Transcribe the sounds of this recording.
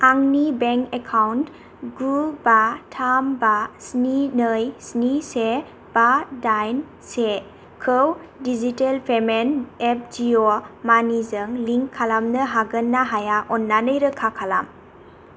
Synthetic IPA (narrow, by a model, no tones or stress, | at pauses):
aŋnibeŋkekʰawnt | ɡubatʰambasninɯjsnise | b̥adajn | se | kʰɯwdizitelpʰemenep̚d͡ʒiomanizɯŋliŋkʰːalamnəɦaɡənːaɦajaʔɔnːanəjɾəkʰakʰalam